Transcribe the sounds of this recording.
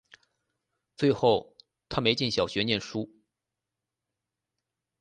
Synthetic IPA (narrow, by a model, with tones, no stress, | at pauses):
t͡swe˥˧ɪxo˥˩ʊ | t̪ʰa˥me˧˥ɪt͡ɕi˥˩nɕjɑ˨˩ʊɕɥɛ˧˥njɛ˥˩nʂu˥